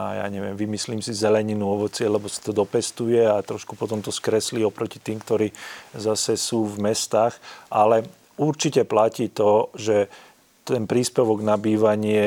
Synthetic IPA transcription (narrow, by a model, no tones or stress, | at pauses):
aja̰ːɲɛʋɪɛmʋimisliːmsizɛlɛɲinuɔʋɔt͡sɪɛlɛbɔsi̥t̪ɔd̪ɔpɛst̪ujɛat̪ɾɔʃkupɔt̪ɔmt̪ɔskɾɛsliɔpɾɔcit̪iːmkt̪ɔɾiːzasɛsuːvmɛst̪aːxalɛ | uɾt͡ʃicɛplaciːt̪ɔʒɛ | t̪ɛnpɾiːspɛʋɔɡnabiːʋaɲɪɛ